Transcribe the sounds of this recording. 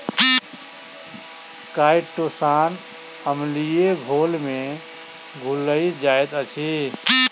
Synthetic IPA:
kajʈosan | həmlieɡʱolme | ɡʱuləjd͡ʒaet̪ət͡ʃʰi

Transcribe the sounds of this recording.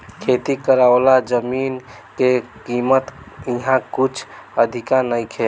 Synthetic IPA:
kʰet̪ikəɾaolad͡ʒəmin | kekimət̪ | iɦãkut͡ʃʰəd̪ʱikãnəjkʰe

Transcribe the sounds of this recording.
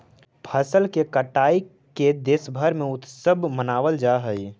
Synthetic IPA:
pʰəsəlkekəʈaːi | ked̪eːsbʱəɾmẽʊt̪səbmənaːʋəld͡ʒaɦəi

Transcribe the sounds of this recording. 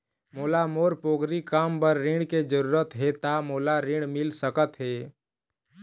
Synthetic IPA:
moːlamoːɾpoːɡɾikaːmpəɾːɪ̃ɽked͡ʒəɾuːɾət̪ɦet̪amoːlaɾɪ̃ɽmɪlsəkət̪ɦeː

